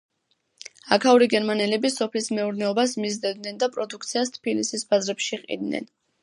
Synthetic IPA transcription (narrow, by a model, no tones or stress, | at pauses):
akʰauɾiɡɛɾmanɛlɛbisɔpʰlismɛuɾnɛɔbasmizd̪ɛd̪nɛnd̪apʼɾɔd̪uk̚ʰt̪sʰiast̪ʰpilisisbazɾɛpʃiqʼḭd̪nɛ̰n